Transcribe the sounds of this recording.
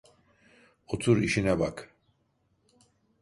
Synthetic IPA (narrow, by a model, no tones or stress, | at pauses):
ot̪ʰuɾiʃinɛbak